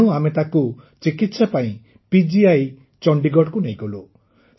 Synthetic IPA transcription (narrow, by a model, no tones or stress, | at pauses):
ũamet̪akut͡ʃikit̪sapaĩ | pid͡ʒiaj | t͡ʃɔɳɖiɡɔɽkunejɡɔlu